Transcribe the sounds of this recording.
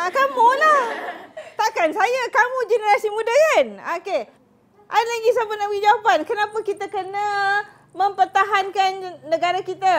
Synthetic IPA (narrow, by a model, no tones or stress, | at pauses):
akamulah | t̪akansajakamũd͡ʒənəɾasimũdakanake | ʔadalaɡisapənawid͡ʒawapankənãpakit̪akəna | mə̃mpərt̪aɦankanːə̃ɡaɾakit̪a